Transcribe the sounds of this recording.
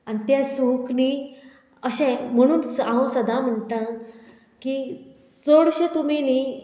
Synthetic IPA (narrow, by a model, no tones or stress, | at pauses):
anit̪jasukni | əɕɛ̃m̤əɽ̃uːnsãɦõsəd̪ʱam̤əɳʈ̪ã | ki | t͡soɽɕẽt̪um̤ini